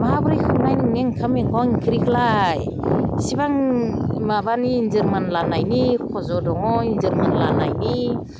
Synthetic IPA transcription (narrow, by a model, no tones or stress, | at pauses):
maabɯɾɯjkʰɯmnajnineŋkʰameŋkʰɔŋiŋkʰiɾikʰlaj | sibaŋmaβaniːnzɯɾmanlanajnikʰɔzɔdɔŋɔinzɯɾmanlanajni